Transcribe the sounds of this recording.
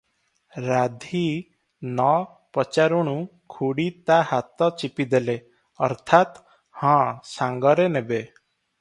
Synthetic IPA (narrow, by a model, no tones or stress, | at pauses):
ɾad̪ʱi | nɔ | pɔt͡ʃaɾuɽ̃ũkʰuɽit̪aɦat̪ɔt͡ʃipid̪ele | ɔɾt̪ʰat̪ | hãsãŋɡɔɾenebe